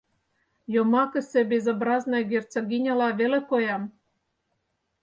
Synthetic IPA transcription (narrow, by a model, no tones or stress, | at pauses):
jomɑkə̆sĕbʲezobɾɑznojɡert͡soɣʲinʲɑlɑβelĕkojɑm